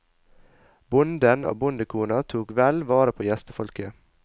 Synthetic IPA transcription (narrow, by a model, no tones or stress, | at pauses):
bʊnd̪əno̰ːbʊnd̪əkʰuːnɑt̪ʰuːkʋɛlʋɑːɾəpʰoːjɛst̪əfɔlkə